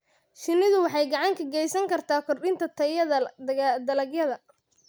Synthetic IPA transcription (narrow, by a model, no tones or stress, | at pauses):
ʃɪnːɪðʊwɑħɑjɡɑʕɑŋkʰɐɡɛjsɐŋkʰɐrt̪ʰaːkʰɔrɗɪnt̪ʰɐt̪ʰɐjɐðɐd̪ɐlɐɡjɐðɐ